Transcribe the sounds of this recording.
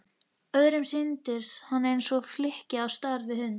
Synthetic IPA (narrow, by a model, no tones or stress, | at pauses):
œðɾɪmsɪnt̪ɪɾ̥shanːejnsɔflɪhcɪawst̪aɾvɪhʏn